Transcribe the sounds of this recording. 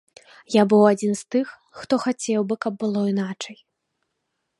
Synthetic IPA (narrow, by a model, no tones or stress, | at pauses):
jabɨwad͡zʲinst̪ɨxːt̪ɔxat͡sʲɛwbɨkɐb̚ːɨlˠɔinat͡ʂɐj